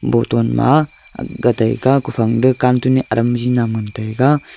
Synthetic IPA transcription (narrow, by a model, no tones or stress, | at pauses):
bɔtɔnma̰ | ɡata̰jɡakupʰaŋdɯkantuniʔaɾʔɐmzinamɯntajɡa